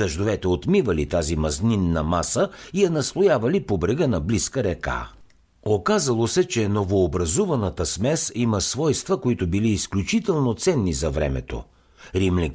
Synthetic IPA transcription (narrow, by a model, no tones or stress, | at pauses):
dɐʒd̪ovɛt̪ɛot̪mivɐlit̪azimɐzninːɐmasəijɛnɐslˠojavɐlipobɾɛɡənɐbliskəɾɛka̰ | okazɐlˠosɛt͡ʃɛnovoːbɾɐzuvɐnɐt̪əsmɛsimɐsvɔjst̪vəkoit̪ʊbiliːsklʲut͡ʃit̪ɛlˠnot̪sɛnːizɐvɾɛ̰mɛ̰t̪o̰ | ɾimlɛ